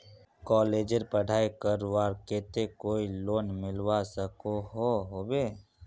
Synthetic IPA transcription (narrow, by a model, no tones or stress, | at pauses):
kɔːleːd͡ʒəɾpəɽʱaːikəɾwaːɾkeːt̪ekoːiloːnmɪlwasəkoɦoɦoːbeː